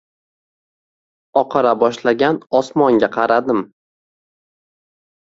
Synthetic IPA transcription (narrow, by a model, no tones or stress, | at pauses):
ɒqʰɑɾabɒʃlaɡʲanɒsmɒŋɡʲaqʰɑɾad̪ɪm